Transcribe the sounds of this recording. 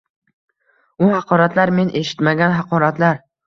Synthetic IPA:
ʊhɑqʰɒɾat̪laɾme̞nʔe̞ʃɪ̥t̪maɡʲanɦɑqʰɒɾat̪laɾ

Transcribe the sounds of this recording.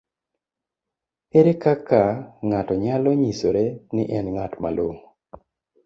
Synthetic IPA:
eɾekakaŋatɔɲalɔɲisoɾenɪʔɛnŋatma̰loŋ

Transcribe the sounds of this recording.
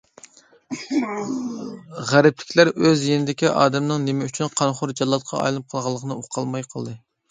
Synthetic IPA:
ʁæɾɪp̚lɪ̥kʲʰlæɾøzjenɪd̪ɪkʲiʔɑːd̪ɛmnɨŋnɪmɛyt͡ʃʰynqʰɑnχʊɾd͡ʒɑlˠːɑt̪̚qʰɑ̰ɑ̰jlɨnɨp̚qʰəlˠʁɑlˠːəqʰənɨoqʰːɑlˠmɑjqʰɑlˠd̪ɨ

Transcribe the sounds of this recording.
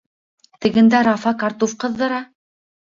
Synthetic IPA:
t̪ɘ̆ɡɘ̆nd̪æɾɑfɑkɑɾt̪ofqɤ̆ðːɤ̆ɾɑ

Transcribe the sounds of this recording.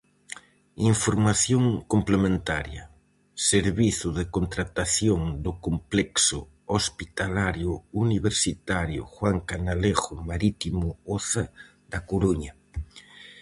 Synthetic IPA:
iɱfoɾmaθjoŋkomplemẽnt̪aɾja | seɾβiθʊðekont̪ɾat̪aθjoŋd̪ʊkomplɛksʊ | ospit̪alaɾjʊuniβeɾsit̪aɾjʊ̰xwaŋkanaleɣʊmaɾit̪imʊoθa | d̪akoɾuɲa

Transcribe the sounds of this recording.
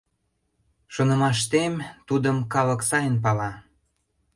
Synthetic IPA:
ʃonə̆mɑʃt̪emt̪ud̪əmkɑlə̆ksɑjənp̬ɑlɑ

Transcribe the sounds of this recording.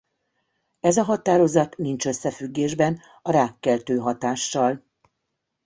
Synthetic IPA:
ɛzɒɦɒt̪aːɾo̞zɒt̪nint͡ʃø̞sːɛfyɡːeːʒbɛn | ɒɾaːkːɛlt̪øːɦɒt̪aːʃːɒl

